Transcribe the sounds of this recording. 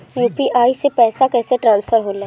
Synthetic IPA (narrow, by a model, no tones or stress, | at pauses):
juːpiʔaːisepɛːsakɛːseʈɾãːnspʰəɾɦoːlaː